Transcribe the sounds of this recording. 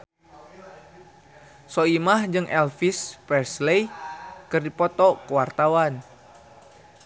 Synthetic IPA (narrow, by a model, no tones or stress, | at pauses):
sɔimahd͡ʒɨŋʔɛlfispɛrslejkɨrdipɔt̪ɔkəwart̪awan